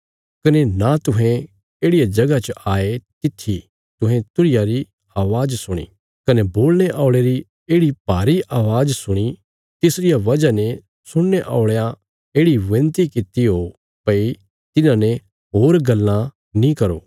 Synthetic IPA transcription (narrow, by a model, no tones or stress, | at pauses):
kɐnenat̪ʊɦɛ̃ | eːɽɪjad͡ʒɐɡat͡ʃəʔaːet̪ɪt̪ʰːi | t̪ʊɦẽt̪ʊɽɪjaɾi | aːʋaːd͡ʒsʊɽ̃ḭː | kɐneboːlneʔaːʊɭeɾi | eːɽipaːɾiʔaːʋaːd͡ʒsʊɽ̃i | t̪ɪsɾɪjaʋɐd͡ʒane | sʊɽneʔa̰ːʊɭja | eːɽiʋẽːnt̪ikɪt̪iɦo | pɐi | t̪ɪnãne | ɦoːɾɡɐlːã | nĩkɐɾo̰ː